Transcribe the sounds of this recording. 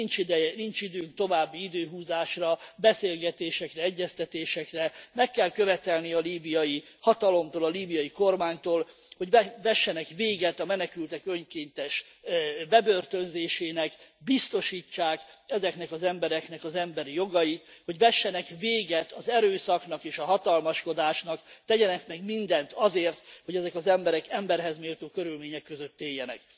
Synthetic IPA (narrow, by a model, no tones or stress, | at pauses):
int͡ʃid̪nint͡ʃid̪øːŋk̚t̪o̞vaːbːiid̪øːɦuːzaːʃrɒbɛseːlɡɛt̪eːʃɛkrɛɛɟːɛst̪ɛt̪eːʃɛkrɛmɛkːɛlkø̞vɛt̪ɛlniɒliːbijɒji | hɒt̪ɒlo̞mt̪oːlɒliːbijɒjiko̞rmaːɲt̪oːl | ho̞ɟvɛʃːɛnɛkveːɡɛt̪ɒmɛnɛkylt̪ɛkøɲkeːnt̪ɛʃ | bɛbø̞rt̪ønzeːʃeːnɛkbist̪o̞ʃiːt͡ʃːaːkɛzɛknɛkɒzɛmbɛɾɛkn̪ɛkɒzɛmbɛɾijo̞ɡɒjit̪ho̞ɟʋɛʃːɛnɛkveːɡɛt̪ɒzɛɾøːsɒknɒkeːʃɒɦɒt̪ɒlmɒʃko̞d̪aːʃnɒkt̪ɛɟɛnɛkmɛɡmind̪ɛnt̪ɒzeːrt̪ho̞ɟɛzɛkɒzɛmbɛɾɛkɛmbɛrɦɛzmeːlt̪oːkøɾylmeːɲɛkːøzøt̪ːeːjːɛnɛ̰k